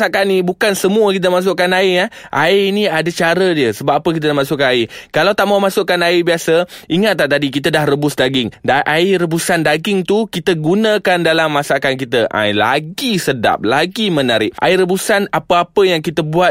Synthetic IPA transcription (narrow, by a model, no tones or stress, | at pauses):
sakanibukansəmuəkit̪̬əmas̬ʊʔkːanaijaʔa̰iiniadat͡ʃaɾədiəsəbap̚ːapəkit̪̬ənamasʊʔkːanaikalawt̪aʔmamasʊʔkːanaibiasəʔiŋat̪̚laht̪adik̬it̪ədahrəbʊsdaɡɪŋdaʔaiɾəbusandaɡɪŋt̪ukit̪əɡunãkandalamːasakank̬it̪əʔa̰la̰ɡisəda̰p̚laɡimənaɾɪʔ̚ʔa̰iɾəbusanapəapəjaŋkit̪əbuat̪̚